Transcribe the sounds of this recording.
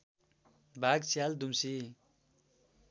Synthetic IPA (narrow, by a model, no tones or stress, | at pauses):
bʱaɡsjald̪umsi